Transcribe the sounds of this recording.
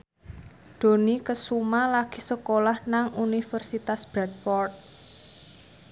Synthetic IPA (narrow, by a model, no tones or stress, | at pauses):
d̪̥o̤nikəsumalaɡ̥i̥̤səkolahnaŋunifərsit̪asb̥ɾɛt̪̚fɔrt̪̚